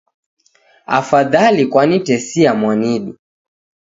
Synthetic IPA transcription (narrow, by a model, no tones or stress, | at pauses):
a̰faðalikwanitɛsiamwaniɗu